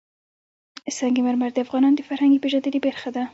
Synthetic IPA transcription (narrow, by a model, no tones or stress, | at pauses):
saŋɡimaɾmaɾd̪əafɣɑnɑnd̪əfaɾhaŋɡepeʒɑnd̪əlibeɾxad̪a